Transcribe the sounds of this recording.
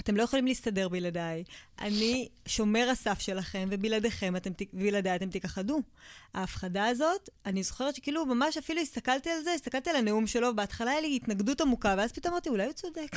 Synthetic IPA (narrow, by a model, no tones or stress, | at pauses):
at̪e̞mloje̞χolimliːst̪ade̞ʁbiladajʔa̰niʃo̞me̞ʁasafʃe̞laχe̞mve̞bilade̞χe̞matemtibiladajat̪e̞mt̪ikaχadu | aːfχadaːzo̞tanizoχeʁetʃekiːlumamaʃafiluist̪akalt̪ialzeist̪akalt̪ialaneumʃe̞lo̞beat̪χalajeliitnaɡdutamukaveaz̥pit̪o̞maʁt̪iulajut͡sodek